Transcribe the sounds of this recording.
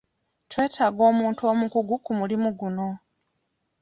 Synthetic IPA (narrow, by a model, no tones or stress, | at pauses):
twe̞ːtʰaːɡo̞ːmuːntuo̞ːmukuɡukumulimuɡuno̞